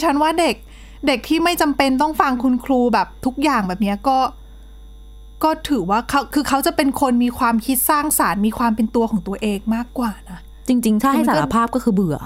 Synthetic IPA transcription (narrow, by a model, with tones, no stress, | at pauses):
t͡ɕʰa˦˥nwaː˥˩de˨˩k̚ | de˨˩k̚t̪ʰiː˥˩ma˥˩jt͡ɕa˧mpe˧nt̪̬ɔ˥˩ŋfa˧ŋkʰu˧nkʰɾuː˧bɛː˨˩p̚t̪ʰu˦˥k̚jaː˨˩ŋbɛː˨˩p̚ni˦˥ɐkɔː˥˩ | kɔː˥˩t̪ʰɯː˩˦waː˥˩kʰa˦˥wkʰɯː˧kʰa˦˥wt͡ɕa˨˩pe˧nkʰo˧nmiː˧kʰwaː˧mkʰi˦˥t̪̚saː˥˩ŋsaː˩˦nmiː˧kʰwaː˧mpe˧nt̪u˧ɐkʰɔː˩˦t̪u˧ɐʔeː˧ŋmaː˥˩kːwaː˨˩na˦˥ | t͡ɕi˧ŋt͡ɕi˧ŋt̪ʰa˥ɦa˥˩sa˨˩˥a˧pʰaː˥˩p̚kɔː˥˩kɯː˧bɯ˨˩ɐ